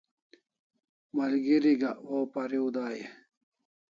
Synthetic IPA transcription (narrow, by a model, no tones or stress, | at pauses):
mɐlɡiɾiɡɐoːpɐɾiud̪aːje